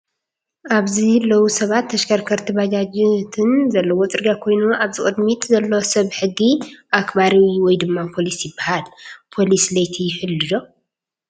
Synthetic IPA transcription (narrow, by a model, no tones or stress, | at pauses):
ʔaβzilːɐwusɐβat̪ʰːɐʃkʰɐɾkʰɐɾt̪ʰibad͡ʒad͡ʒt̪ʰɨnzɐlːɐwot͡sʼɨɾɡakʰo̞jnuʔaβzɨkʼɨd̪mit̪ʼzɐlːosɐβħɨɡːiʔakbaɾiwiwɔjd̪ɨmːapʰo̞lisjɪbːahalpʰo̞lislɐjt̪ʰijɪħɨlːɨd̪o̞